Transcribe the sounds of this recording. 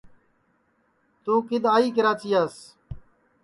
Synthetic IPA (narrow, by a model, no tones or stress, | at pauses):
t̪ũːkɪd̪aːiːkəɾaːt͡ʃiːaːs